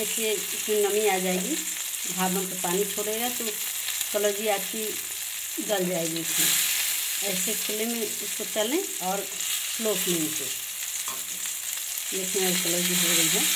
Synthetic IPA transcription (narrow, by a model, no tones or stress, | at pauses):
ɛseɪsmenəmiad͡ʒaːeɡi | bʱaːbə̃nt̪opaːnit͡ʃʰoːɽeɡat̪o | kələɾd͡ʒiaːki | ɡəld͡ʒaːeɡisʰẽ | ɛːsekʰʊlẽmẽʊskot͡ʃəlẽ | ɔːɾ | sloːkmẽnse | lekʰẽəɾkɔləɾd͡ʒiɦoɾəiɦɛː